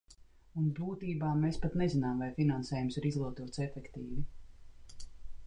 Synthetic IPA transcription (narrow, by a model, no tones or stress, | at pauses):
unbuːt̪iːbaːmeːspat̪nezinaːmvajfinansɛːjumsiɾizlˠuɔt̪uɔt̪sefɛkt̪iːvi